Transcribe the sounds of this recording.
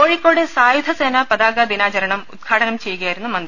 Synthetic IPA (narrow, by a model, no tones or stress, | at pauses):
oːɻikːoːɽesaːjud̪ʰʱɐsenɐpɐd̪aːɡɐd̪inaːt͡ɕɐɾɐɳɐmud̪ɡʰʱaːʈɐnɐmt͡ɕe̞juɣɐjaːjiɾunːumɐnd̪i